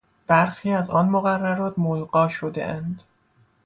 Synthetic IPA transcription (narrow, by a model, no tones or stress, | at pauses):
b̥æɾxiːæzɒːnmoɣærːæɾɒːt̪ʰmolɢɒːʃod̪ḛʔænd̪